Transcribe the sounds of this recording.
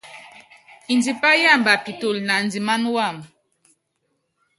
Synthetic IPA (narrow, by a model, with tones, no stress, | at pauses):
i˨nd͡zi˨pa˦ja˦˨mba˨pi˨to˨lna˨nd͡zi˨ma˦nwa˦˨m